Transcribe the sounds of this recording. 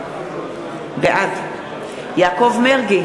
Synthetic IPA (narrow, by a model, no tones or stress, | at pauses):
beʔad | jaːkovmeʁɡi